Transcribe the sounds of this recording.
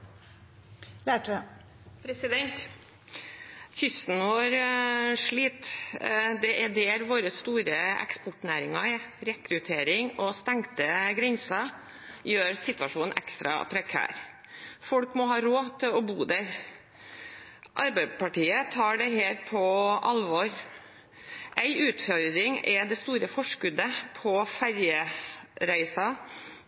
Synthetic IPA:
læʈ | pʰɾɛsɪd̪ɛnt̪ | çʏst̪n̩ʋɔɾʂɭiːt̪ | d̪ɛʔɛɖ̪ɛːɾʋoːɾəst̪uːɾəɛ̰kspɔʈnæːɾɪŋɑɛɾɛkɾʉt̪ʰeːɾɪŋɔst̪ɛŋt̪əɡɾɛnsɑ | jøːɾsɪt̪ʉɑʂuːnn̩ʔɛ̰kst̪ɾɑ̰pʰɾɛkʰæ̰ːɾ | fɔlkmɔɦɑːɾoːt̪ʰɪlɔbuːd̪æɾ | ʔɑɾbæpʰɑʈiːət̪ʰɑːɖɛɦeːɾpʰɔʔɑlʋɔɾ | ʔæɪʔʉːt̪fɔɾd̪ɾɪŋɛd̪ɛst̪uːɾəfɔʂkʉd̪əpʰɔfæɾjəɾæɪsɑ

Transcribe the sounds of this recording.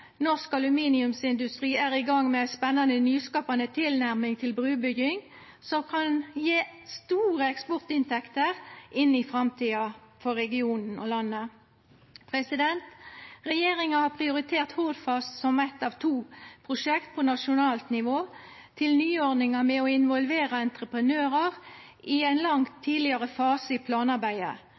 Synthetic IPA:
nɔʁskɑlʉmiːnɪʉmsɪnd̪ʉst̪ʁiːæːʁɪɡɑŋːmɛæspɛnːɑnənyːskɑːpɑnət̪ʰɪlnæʁmɪŋt̪ʰɪlbɾʉːbʏɡɪŋ | sɔmkʰɑnjeːst̪uːʁəɛkspɔʁt̪ɪnt̪ʰɛkt̪əʁʔɪnːɪfʁɑmt̪ʰiːɑfɔʁɛɡɪuːnn̩o̰ːlɑnːə | pʰʁɛsɪd̪ɛnt̪ʁɛjeːʁɪŋɑhɑːpʰʁɪʊɾɪt̪ʰeːʁt̪hoːd̪fɑst̪sɔmɛt̪ːɑʋt̪ʰuːpʰʁʊʂɛkt̪̚pʰoːnɑʂʊnɑːlt̪nɪʋoː | t̪ʰɪlnyːɔʁnɪŋɑmɛɔɪnʋɔlʋeːʁɑɛnt̪ʁəpʁənøːʁəʁ | ʔɪæɪnlɑŋt̪ʰːiːlɪɑʁəfɑːsəɪpʰlɑːnɑʁbæɪd̪ə̰

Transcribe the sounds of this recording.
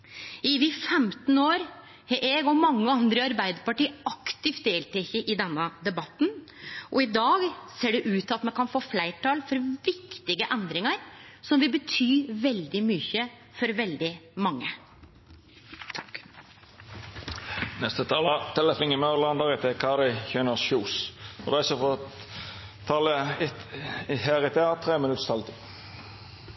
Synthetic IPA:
ɪʋɪfɛmt̪n̩oːɾ | ʔɛɡɔmɑŋːəɑnd̪ɾəɑɾbæɪd̪əɾpɑʈiːɑkt̪ɪft̪̚d̪eːlt̪ʰɛçəʔɪd̪ɛnːəd̪ɛbɑt̪ːnʔɔɪd̪ɑːɡseːɖɛʔʉːt̪ɑt̪mɛnkʰɑnfoːflæɪʈɑːlfɔɾʋɪkt̪ɪɡəʔɛnd̪ɾɪŋəɾsɔmʋɪlbət̪ʰyːʋɛld̪ɪmyçə | fɔɾʋɛld̪ɪmɑŋːə | nɛst̪ət̪ʰɑːlɑt̪ʰɛləfɪŋəmølɑnd̪ɑʁɪt̪ʰɛkʰɑɾɪçœːnəsʃuːsɔʁæɪsəfɔ | t̪ʰɑːlə | heːʁɪt̪ʰeɑt̪ʰʁeːmɪnʉt̪st̪ʰɑlt̪ʰɪ

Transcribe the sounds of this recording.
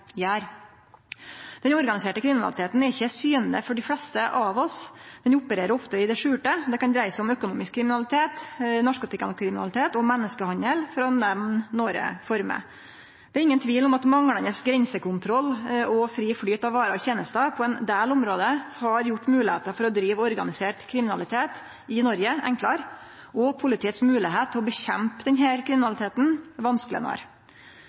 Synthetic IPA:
jæːɾ | d̪ɛnɔɾɡɑnɪseːʈəkɾɪmɪnɑ̰ɪt̪ʰeːt̪n̩ɛɾɪçːəsyːnnə̰fɔɖɪflɛst̪əʔɑʋɔsd̪ɛnʊpːəɾeːɾəɾɔft̪əɪd̪ɛʂʉːʈəd̪ɛkɑnd̪ɾæɪəsɔmœkʊnuːmɪskʰːɾɪmɪnɑlɪt̪ʰeːt̪nɔʂkʊt̪ɪkɑnɔkʰɾɪmɪnɑ̰lɪt̪ʰeːt̪ɔmɛnːəskəhɑnəlfɾɑnɛʋ̪nnːoːɾə̰fɔɾmə̰ | d̪ɛæɾɪŋːənt̪ʰʋiːlɔmɑt̪mɑŋɽɑnəsɡɾɛɲsəkʊnt̪ʰɾɔlːɔfɾiːfɽyːt̪ɑʋɑːɾɑçeːnəst̪ɑpʰɔɛnd̪eːlʊmɾoːd̪əhɑɾjʊʈːmʉːlɪhḛːt̪əfɔɾɔd̪ɾiːʋɔɾɡɑnɪseːʈkʰɾɪmɪnɑlɪt̪ʰeːt̪ | ɪnɔɾɡəɛ̰ŋklɑɾ | ʔɔpʰʊlɪt̪ʰiːət̪smʉːlɪɦeːt̪ʰːɪɔbəçɛmpd̪ɛnɦæːɾkʰɾɪmɪnɑlɪt̪ʰeːt̪n̩ʋɑnsklɪə̰nɑ̰ɾ

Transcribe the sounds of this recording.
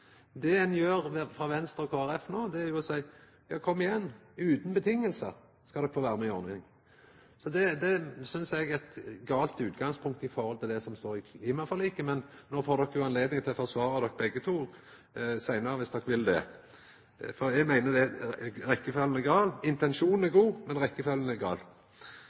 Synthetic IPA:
d̪ɛɛnjøːɾfɾɑːʋɛnst̪ɾɔkʰoːæɾɛfnoːd̪ɛæɾjʊɔsæɪ | jɑːkʰɔmːɪjɛnːʉːt̪n̩bət̪ʰɪŋːəlsə | skɑd̪ɔkːfoːʋæːɾəmɛɪɔnɪŋ | sɔd̪ɛd̪ɛsʏnsɛɡɛt̪ɡɑːlt̪ʉːt̪ɡɑŋspʰʊŋk̚t̪əɪfɔɾhɔlt̪ʰɪld̪ɛsɔmst̪oːɾɪiːmɑfɑlɪkːəmɛnnoːfoːɾd̪ɔkːəjʊɑnleːd̪nɪŋt̪ʰɪlɔfɔsʋɑːɾɑd̪ɔkːbɛɡːət̪ʰuːɾ | sæɪnəɾəʋɪsd̪ɔkːʋɪld̪ɛ̰ | fɔɾɛɡmæɪnəd̪ɛɾɛkːəføːlənæɡɑːlɪnt̪ɛnʃuːnn̩æɾɡuːmɛnʁɛkːəfœlən̩æɡɑ̰ːl

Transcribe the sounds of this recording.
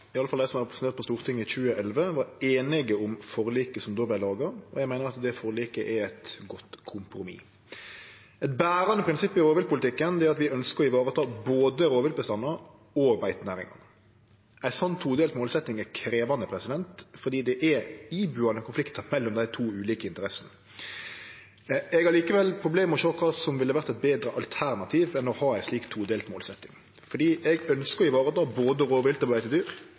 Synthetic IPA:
ɪɑləfɑld̪æɪsɔmæɾɛpɾəsneːɾt̪pɔst̪uːʁt̪ʰɪŋːəɪçʉːəʔɛlʋəʋɑɾeːnɪɡəʊmfɔɾliːkəsɔmd̪oːblæɪlɑːɡɑɔjæɪmæɪnəɾɑt̪d̪ɛfɔɾliːkəʔɛɛt̪ɡɔt̪kʰʊmpɾʊmḭː | ɛt̪bæːɾɑnəpɾɪnsɪpːɪɾoːʋɪlpʰʊlɪt̪ʰɪkːənd̪ɛæɾɑt̪ʋɪœnskəɾɔɪʋɑːɾət̪ʰɑːboːd̪əɾoːʋɪl̚bəst̪ɑnːɑ | ɔbæɪt̪næːɾɪ̰ŋɑ̰nə | ʔæɪsɔnːt̪ʰuːd̪eːlt̪moːlsɛt̪ːɪŋækʰɾeːʋɑnəpʰɾɛsɪd̪ɛnt̪fɔd̪iːd̪ɛʔɛibʉɑnəkʰʊnflɪkt̪əmɛlːɔmd̪æɪt̪ʰuːʉːliːkəɪnt̪əɾɛsən | ɛɡɑɾliːkəʋɛlpʰɾʊbleːməɔʃoːkʰɑsɔmʋɪlːəʋæɾt̪ɛt̪̚beːd̪ɾəʔɑlt̪ʰæɾnɑt̪ʰiːʋɛnːoːhɑɾæɪsliːkt̪ʰːuːd̪eːlt̪moːlsɛt̪ːɪŋ | fɔɖ̪iːʔɛɡœnskəɔɪʋɑːɾət̪ɑːboːd̪əɾoːʋɪlt̪əblæɪt̪ɪd̪yːɾ

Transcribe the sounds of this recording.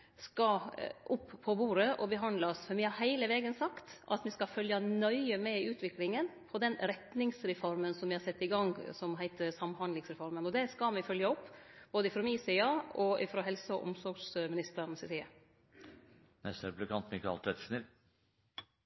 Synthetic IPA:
skɑʔʊpːʰɔbuːɾəʔɔbəɦɑnd̪lɑsfɔɾʋɪhɑɾhæɪləʋeːɡənsɑkt̪ɑ̰t̪mɪskɑfœljɑnœʏəmɛʉːt̪ʰʋɪklɪŋənpʰɔd̪ɛnɾɛt̪nɪŋsɾɛfɔɾmənsɔmʋɪhɑɾsɛt̪ːɪɡɑŋsɔmɦæɪt̪əsɑmhɑnlɪŋsɾɛfɔɾmənɔd̪ɛskɑmɪfœljɑɔpːb̥oːd̪əɪfɾɔmiːsiːɑɔɪfɾɔɦɛlsəɔ̰ʔʊ̰msɔɾɡsmɪnɪst̪əɾnsɛsiːɑ | nɛst̪æɾblɛkʰɑnt̪mɪkʰɑ̰lt̪ʰɛt̪snəɾ

